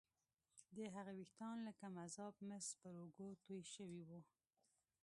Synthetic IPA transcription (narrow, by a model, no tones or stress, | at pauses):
d̪əɦaɣawixt̪ɑnlakamazɑbmɪspəɾoɡot̪ojʃəwiwu